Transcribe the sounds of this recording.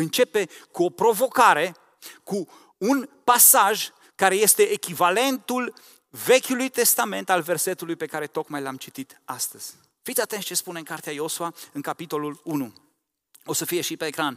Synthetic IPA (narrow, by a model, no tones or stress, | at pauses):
ɨnt͡ʃe̞pe̞kuo̞pɾo̞vo̞kaɾe̞ | kuː | npasaʒ | kaɾe̞je̞st̪e̞ʔːkʲivale̞nt̪ul | ve̞kʲulujt̪e̞st̪ame̞nt̪alve̞rse̞t̪ulujpe̞kaɾe̞t̪o̞kmajlamt͡ʃit̪it̪ast̪əz̥ʲ | fit̪sʲat̪e̞nt͡ʃe̞spuneŋkaɾrt̪eajo̞suaɨŋkapit̪o̞lulunu | o̞səfije̞ʃipe̞ːkɾan